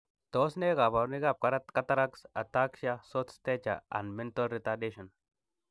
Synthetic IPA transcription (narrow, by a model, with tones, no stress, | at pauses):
t̪o˦sne˦ka˨ba˨ɾni˦ɡa˨p̚ka˨ɾa˦t̪ka˦t̪a˦ɾa˦ksa˨t̪a˦kʃa˦so˦t̪ste˦t͡ʃa̰˨a̰˨nmɛ˦nt̪olɾi˦t̪adeʃo˨n